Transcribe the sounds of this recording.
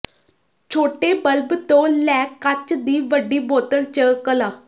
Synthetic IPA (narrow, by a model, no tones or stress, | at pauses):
t͡ʃʰoːʈeːbəlbt̪õːlɛːkːət͡ʃd̪iːʋəɖiːboːt̪əlt͡ʃəkəlaː